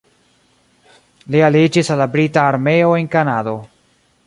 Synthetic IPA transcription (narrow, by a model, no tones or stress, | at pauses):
lialid͡ʒisalːabɾitaːɾmeoenkanaːd̪o